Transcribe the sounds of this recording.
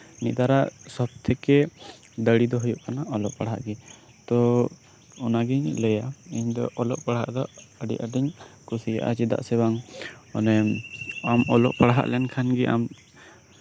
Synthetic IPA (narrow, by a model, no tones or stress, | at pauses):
niʔd̪aɾaʔsɔb̚t̪ʰɛkɛ | d̪əɽid̪ɔɦujuʔkanaʔɔlɔʔpaɽɦa̰ʔɡɛ | t̪ɔ | ɔnaɡiɲləjaiɲd̪ɔʔɔlɔʔpaɽɦa̰ʔd̪ɔəɖḭʔaʈiɲkusija̰ʔa̰d͡ʒid̪a̰ʔsɛbaŋɔnɛmamɔlɔ̰ʔpaɽɦa̰ʔlɛnkʰanɡɛʔa̰m